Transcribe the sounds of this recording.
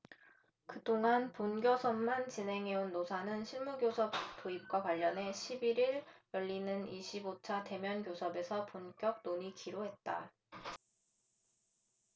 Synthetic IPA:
kɯdoŋanponɡjosʰʌmːant͡ɕinɦe̞ŋɦe̞unːosʰanɯnɕʰiɭmuɡjosʰʌp̚t͈oip̚k͈wakwaʎːʌne̞ɕʰibiɾiɾjʌʎːinɯniɕʰibot͡ɕʰate̞mjʌnɡjosʰʌbe̞sʰʌpunkjʌk̚noɲikiɾoɦe̞t̚t͈a̰

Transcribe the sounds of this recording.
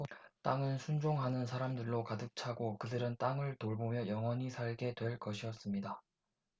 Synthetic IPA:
t͈aŋɯnsʰund͡ʑoŋɦanɯnsʰaɾamdɯɭːokadɯk̚t͡ɕʰaɡokɯdɯɾɯnt͈aŋɯɭtoɭbomjʌjʌŋwʌɲisʰaɭɡe̞dwe̞ɭk͈ʌɕʰiʌs͈ɯmɲida

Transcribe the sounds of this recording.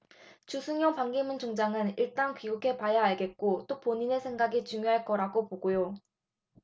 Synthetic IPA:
t͡ɕusʰuŋjʌnpaŋɡimunt͡ɕoŋd͡ʑaŋɯniɭt͈ankɥiɡukʰe̞pajaaɭɡe̞t̚k͈ot͈opoɲine̞sʰe̞ŋɡaɡit͡ɕuŋjoɦaɭk͈ʌɾaɡopoɡojo

